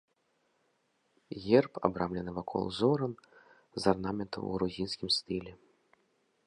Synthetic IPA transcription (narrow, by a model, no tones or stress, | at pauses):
ɣʲɛrpa̰bɾamlʲɛnɨvakʰɔ̰lˠzɔɾɐn | zarnamʲɛnt̪ʰɐ̰wɣɾuzʲinsʲkʲimst̪ɨlʲɛ